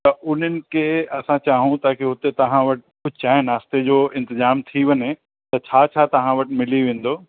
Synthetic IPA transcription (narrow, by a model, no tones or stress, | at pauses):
t̪ɐʔʊn̤ənɪ̆kʰeːɐsãt͡ɕaːɦũt̪ɐãkʰeɦʊt̪et̪ɐɦãʋɐʈɪ̥kʊd͡ʑʱt͡ɕaːɦɪ̃naːst̪ed͡ʑoːɪ̃nt̪ɪzaːmt̪ʰiʋɐɲe | t̪ɐt͡ɕʰaːt͡ɕʰaːt̪ɐʋ̤ãʋɐʈɪmɪliʋẽːn̆d̪oː